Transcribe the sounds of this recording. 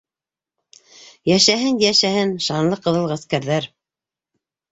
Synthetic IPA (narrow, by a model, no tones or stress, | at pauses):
jæʃæɦɘnjæʃæhɘnʃɑnlˠɤqɤ̆ðɤ̆lˠʁæskæɾðæɾ